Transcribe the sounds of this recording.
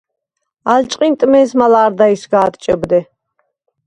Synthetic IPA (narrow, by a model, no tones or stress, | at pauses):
alt͡ʃʼqʼint̪ʼmɛːsmalaːɾd̪aisɡaːt̪t͡ʃʼəbd̪ɛ